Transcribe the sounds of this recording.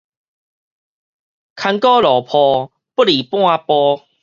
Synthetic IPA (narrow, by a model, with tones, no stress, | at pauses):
kʰa˧ŋkɔ˦lɔ˨˩pʰɔ˧ | pu˦li˨˩pwɔ̃˦a˧pɔ˧